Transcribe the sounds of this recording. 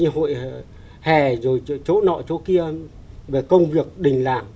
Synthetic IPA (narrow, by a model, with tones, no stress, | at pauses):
ɨ˧ɦo̰˧˨j | hɛ˨˩zo˨˩jt͡ɕo˨˦nɔ̰˧˨t͡ɕo˨˦ki˧ə | ve˨˩kə˧wŋ͡mvi˨˩ək̚ɗï˨˩ŋ̟la̰ː˧˩ŋ